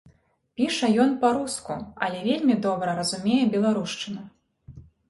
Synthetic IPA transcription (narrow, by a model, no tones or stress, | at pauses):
pʲiʂɐjɔnpaɾuskṵɐlʲɛvʲelʲmʲid̪ɔbɾɐɾɐzumʲejɛbʲɛlˠaɾuʂt͡ʂɨnɐ